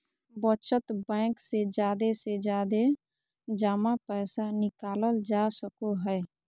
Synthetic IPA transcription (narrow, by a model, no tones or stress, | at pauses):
bət͡ʃət̪bɛ̃ːksed͡ʒjaːd̪esed͡ʒaːd̪e | d͡ʒaːmapɛːsanɪkaːləld͡ʒasəkoɦɛː